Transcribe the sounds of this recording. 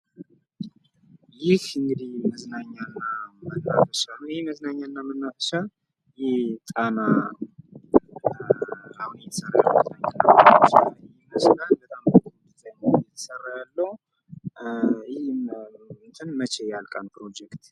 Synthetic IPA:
jɪhɨŋɡɨd̪ihməznaɲːanːamənːafəʃanəwjɪhməznaɲːaɨnːamənːafəʃal | jɪht̪ʼana | ahunjɛt̪ʰə̥sərːa̰ja̰lːoməznaɲːanːamənːafəʃajhməznalbət̪ʼamət̪ʰɡud̪ɨt̪ʰʼəɲːajɛt̪ʰə̥sərːajalːə | jɪh̪ | t̪ʰɨnmət͡ʃʰejalkʼanpɾo̞d͡ʒɛkt̪

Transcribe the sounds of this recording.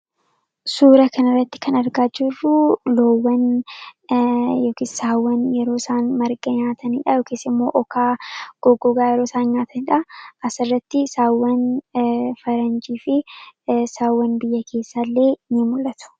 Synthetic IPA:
suːɾɐkʰɐnɐrːɐt̪ːɪ̥kɐnɐɾɡaːd͡ʒɪrːʊloːwːɐn | joːkɪssaːwːɐnjɛɾo̞ːsaːnmɐɾɡʼɐɲaːt̪ʰɐniːᶑɐjoːkisɪmːo̞̰ːʔɔkʰaːɡ̥ɔɡɔɡaːjɛɾo̞ːsaːnɲaːt̪ʰɐnɪᶑɐʔɐsɪrːɐt̪ːɪsaːwːɐn | fɐɾɐnd͡ʒiːfɪ | saːwːɐnbɪjːɐkʰe̞ːsːalːe̞ːnɪmʊlːɐt̪ʊ̥

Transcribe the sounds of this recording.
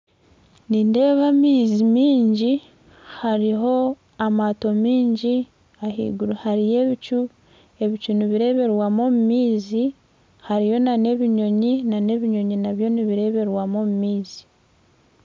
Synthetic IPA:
niːnde̞ːβamiːzimiːɲɟi | haɾiɦo̞ | amato̞miːɲɟi | ahḭɡuɾhaɾije̞βit͡ʃu | e̞βit͡ʃuniβiɾe̞βe̞ɾwamo̞mumiːzi | haɾijo̞nane̞βiɲo̞ɲinane̞βiɲo̞ɲinaβjo̞niβiɾe̞βe̞ɾwamo̞mumiːzi̥

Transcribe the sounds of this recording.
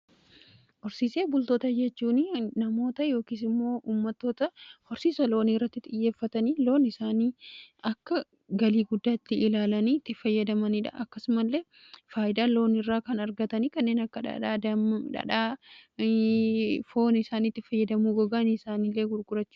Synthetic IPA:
ʔɔɾsiːse̞ːbʊlt̪o̞ːt̪ɐd͡ʒɛt͡ʃːuːninɐmo̞ːt̪ɐjo̞ːkiːsɪmːo̞ːʔuːmːɐt̪ːo̞ːt̪ɐhɔɾsiːsɐloːniːrːɐt̪ːɪt̪ʼɪjːeːfːɐt̪ɐniːlo̞ːnɪsaːniːɐkːɐ | ɡɐliːɡʊd̪ːaːɪt̪ːɪɪlaːlɐniːt̪ːɪfɐjːɐd̪ɐmɐniᶑɐ̰ʔɐkːɐsʊmɐlːe̞ː | faːʔɪd̪aːlo̞ːnɪrːaːkɐnɐɾɡɐt̪ɐniːkɐnːe̞ːnɐkːɐᶑɐ̰ᶑaːd̪ɐmᶑɐ̰ᶑaː | foːnɪsaːniːt̪ːɪfɐjːɐd̪ɐmuːɡɔɡaːnisaːniːlːe̞ːɡʊɾɡʊɾɐt͡ʃːʊ̥ː

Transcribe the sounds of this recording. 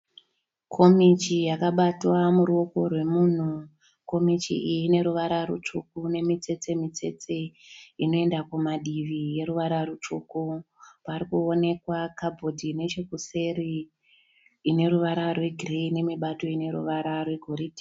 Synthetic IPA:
kʰo̞mit͡ʃijakaɓatwamuruoko̞rwe̞muːn̤u | ko̞mit͡ʃḭijine̞ɾuʋaɾarṵt͡ʃukune̞mit͡se̞t͡se̞mit͡se̞̰t͡seino̞e̞ndakumaɗiʋije̞ɾuʋaɾarut͡ʃukupaɾikuone̞kwakabʱo̞dʱine̞t͡ʃekuse̞ri | ine̞ɾuʋaɾarwe̞ɡʱireine̞miɓato̞ine̞ɾṵʋaɾarwe̞ɡʱoridi̥

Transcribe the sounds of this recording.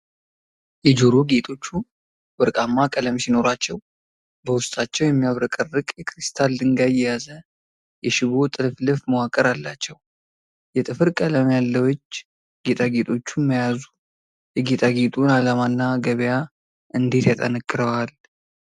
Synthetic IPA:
jɛd͡ʒoɾoɡe̞t̪ʼo̞t͡ʃːu | bɨɾkʼamːakʼələmsino̞ɾat͡ʃːɛw | bəwʊst̪ʼat͡ʃːɛwjɛmːijaβɾəkʼərːɨkʼjɛkʰɾist̪ʰald̪ɨŋɡajɛjazə | jɛʃɪβo̞t̪ʼɨlɨflɨfməwakʼːəɾalːat͡ʃːɛw | jɛt̪ʼɨfɨɾkʼələmjalːəwɔt͡ʃː | ɡe̞t̪ʼaɡet̪ʼo̞t͡ʃːuməjazu | jɛɡe̞t̪ʼaɡet̪ʼunalamanːaɡəβja | ʔɨnd̪e̞t̪jat̪ʼə̰nəkʼːɨɾəwal

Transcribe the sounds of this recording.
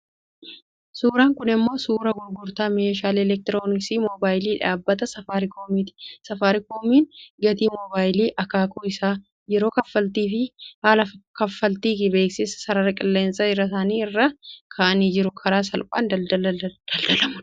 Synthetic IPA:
suːɾaːŋkʊnɪmːo̞ːsuːɾɐɡʊɾɡʊɾt̪aːmeːʃaːlɛlɛk̚t̪ɪɾo̞ːnɪksiːmoːbaːjliːᶑaːbːɐt̪ɐsɐfaːɾɪkʰoːmiːt̪ɪ̥sɐfaːɾɪkoːmiːnɡɐt̪iːmɔbaːjliːʔɐkaːkʰoɪsaː | jɛɾo̞ːkɐfːɐlt̪iːfɪhaːlɐkɐfːɐlt̪iːkɪbe̞ːksɪsɐ̥sɐɾɐɾɐkʼɪlːe̞ːnsʼɐɪrɐsaːniːɪrːɐkʰaːʔɐniːd͡ʒɪɾʊkʰɐɾaːs̬ɐlpʼa̰ːnd̪ɐɐɐd̪̥ɐld̪ɐlɐmɐ

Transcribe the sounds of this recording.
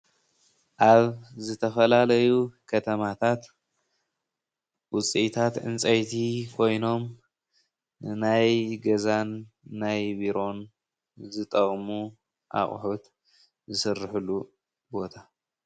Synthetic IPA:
ʔaβzɨt̪ʰɐfɐlalɐjukʰɐt̪ʰɐmat̪ʰat̪ | wʊt͡sʼit̪ʰat̪ʔɨ̰nt͡sʼɐjt̪ʰikʰo̞jno̞m | najɡɐzanː | ajbiɾo̞n | zɨt̪ʼɐχʼmu | ʔa̰χʼħut̪ | zɨsɨrːɨħulːu | bo̞t̪ʰa

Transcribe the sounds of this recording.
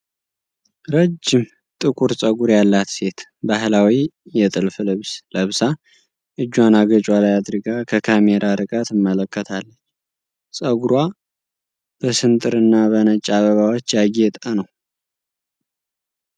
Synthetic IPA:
ɾəd͡ʒːɪm | t̪ʼɨkʼuɾsʼəɡuɾjalːat̪se̞t̪bahlawijɛt̪ʼɨlfɨlɨβsləβsa | ʔɨd͡ʒːwanaɡət͡ʃʼalajad̪ɾɨɡakʰəkʰameɾʔaɾɨkʼət̪ɨmːələkʰːət̪ʰalːət͡ʃː | sʼəɡuɾwa | b̥əsɨnt̪ʼɨɾɨnːaβənət͡ʃʼːaβəβawot͡ʃːjaɡet̪ʼanəw

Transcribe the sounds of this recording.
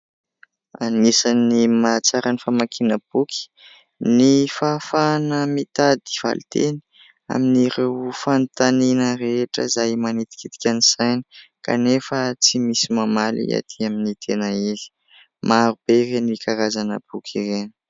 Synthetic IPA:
a̰nisanimat͡saɾanifamakʰinəb̥ukʰi̥ | nifafanəmit̪ad̪i̥v̥a̰lit̪eni̥ | a̰miniɾewfant̪aninəɾeʈ͡ʂə̰zajmanit̪i̥kit̪i̥kʲaniz̥ajni̥ka̰nefət͡simisimamalḭa̰t̪ʰiaminit̪ʰenaeli̥ | maɾub̥eɾenikʰaɾazanə̰b̥ukʰiɾeni̥

